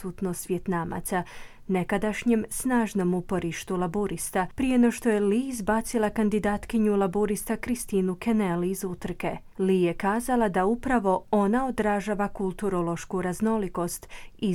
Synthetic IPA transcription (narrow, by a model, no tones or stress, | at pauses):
ut̪nosʋjet̪nama̰t̪sa | ne̞kad̪aʃɲemsnaːʒno̞mupo̞ɾiʃt̪ulˠabuɾist̪apɾijenoʃt̪o̞je̞liːzbat̪silˠakand̪id̪aːt̪kiɲulˠabuɾist̪akɾist̪iːnukeneliizut̪r̩ke̞ | lije̞kaːzalˠad̪aupɾaʋo̞o̞naod̪ɾaʒaʋakulˠt̪uɾo̞lˠo̞ʃkuɾazno̞liko̞st̪i